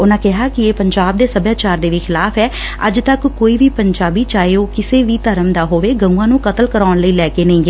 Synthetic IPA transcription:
ʊnãːkɪɦaːkɪeːpəɲd͡ʒaːb̚d̪eːsəbjaːt͡ʃaːɾd̪eːʋiːxʰɪlaːpʰɛː | əd͡ʒt̪əkːoːiːʋiːpəɲd͡ʒaːbiːt͡ʃaːeoːkɪseːʋiːt̪əɾəmd̪aːɦoːʋeːɡə̃ũːãːnũːkət̪əlkəɾaːʊɳləiːlɛːkeːnəĩːɡeː

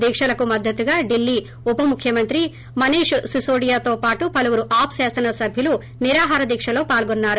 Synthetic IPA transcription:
d̪iːkʂɐlɐkumɐd̪ʱːɐt̪uɡaːɖilːi | upɐmukʰjɐmɐnt̪ɾi | mɐneːʂusisoːɖijaːt̪o̞ːpaːʈupɐluʋuɾuʔaːpsaːsɐnɐsɐbʱjɐlu | niɾaːɦaːɾɐd̪iːkʂɐlo̞ːpaːlɡonːaːɾu

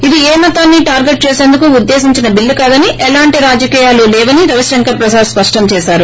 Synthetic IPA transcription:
id̪ieːmɐt̪aːnːiːʈaːɾɡe̞ʈ̚t͡ʃeːseːnd̪ukuud̪ːe̞ːsiɲt͡ʃinɐbilːukaːd̪ɐniʔɛlaːɳʈiɾaːd͡ʒɐkiːjaːlulɛːʋɐniɾɐʋɐʃɾɐŋkɐpɾɐsaːɾspɐʂʈɐmt͡ʃɛːʃaːɾu

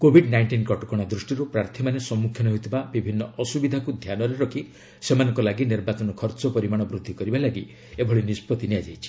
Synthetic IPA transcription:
kobʱiɖnajɳʈinkɔʈɔkɔɽ̃ad̪ɾusʈiɾupɾaɾt̪ʰimanesɔmːukʰjɔnɔɦet̪ʰibabibʱinːɔʔɔsubid̪ʱakud̪ʱjanɔɾeɾɔkʰi | semanɔŋkɔlaɡiniɾbat͡ʃɔnɔkʰɔɾt͡ʃɔpɔɾimaɽ̃ɔbɾud̪ʱːikɔɾibalaɡi | ebʱɔɭinispɔt̪iniad͡ʒajt͡ʃʰi̥

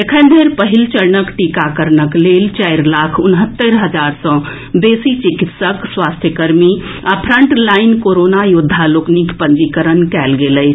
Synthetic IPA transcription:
ekʰə̃nd̪ʱeɾpəɦilt͡ʃəɾnəkʈikakəɾnəklelt͡ʃɛɪɾlakʰʊnɦət̪ːəɾɦəd͡ʒaːɾsə̃ | besit͡ʃikit̪səkswast̪ʰjəkəɾmi | apʰɾəɳʈlaɪnkoɾonajud̪ʱːaloknikpə̃nd͡ʒikəɾənkɛlɡeləɪt͡ʃʰ

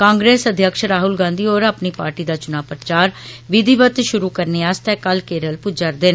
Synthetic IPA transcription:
kãːŋɡɾeːsəd̪ʱjəkʃɾaːɦʊlɡãːnd̪iːoːɾaːpniːpaːɾʈiːd̪aːt͡ʃʊnaːpɾət͡ʃaːɾʋɪd̪iːʋət̪ʃʊɾuːkəɾneːaːst̪ɛːkəlkeːɾəlpʊd͡ʒəɾd̪eːn

